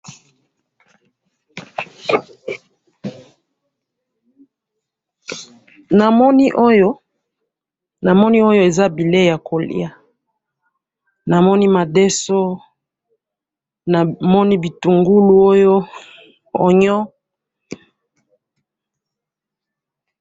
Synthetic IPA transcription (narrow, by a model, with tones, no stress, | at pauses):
na˨mɔ˦ni˦ʔo˦jo˦ | na˨mɔ˦ni˦o˦jo˦e˨za˦bi˨le˦ja˨ko˨lḭ˦a˨ | na˨mɔ˦ni˦ma˨dɛ˦so˦ | na˨mɔ˦ni˦bi˨tu˨ŋɡu˦lu˦o˦jo˦ | o˨ɲɔ˦